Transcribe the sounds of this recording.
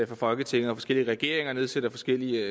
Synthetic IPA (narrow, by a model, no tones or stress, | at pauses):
fɒfɒ̽lɡ̥ət͡sʰe̝ŋ̰̩ˠɒ̽fɒ̽sɡ̥e̝l̰iəʁɛɡ̥e̝ɐ̰eŋɐne̝ð̞ˠsed̥ɐfɒ̽sɡ̥el̰iə